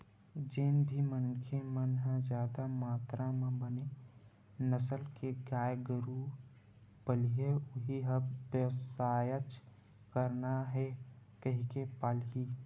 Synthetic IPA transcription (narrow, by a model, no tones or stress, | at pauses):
d͡ʒeːnbʱimənkʰemənɦãd͡ʒaːd̪amaːt̪ɾãmẽbəne | nəsəlkeɡaːjɡəɾu | pəlieʊɦiɦəbbjəwsaːjət͡ʃ | kəɾnaɦɛkəɦikepalɦi